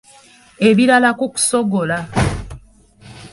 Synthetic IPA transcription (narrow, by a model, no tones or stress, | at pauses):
e̞βiɾalakuku̥so̞ɡola